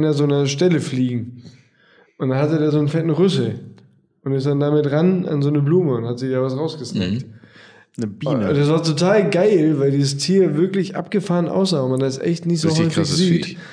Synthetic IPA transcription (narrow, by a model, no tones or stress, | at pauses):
nɐzoːnɐʃtɛləfliːɡŋ̩ | ʔʊntd̥anhatədeːɐzoːnfɛtn̩ʁʏsl̩ | ʔʊntɪstd̥andaːmɪtʁanʔa̰nzoːnəbluːməʊnthatz̥ɪːd̥aːvasʁaʊsɡ̥əsnɛ̰kt | nəbiːnnd̥as̬v̥aːɐtʰotʰaːlɡaɪlvaɪldiːzəstʰiːɐvɪɐklɪçʔa̰pɡ̥əfaːʁənʔa̰ʊs̬zaːvonmandasʔɛ̰çtnɪçtz̥oːɦʏfɪçz̥iːt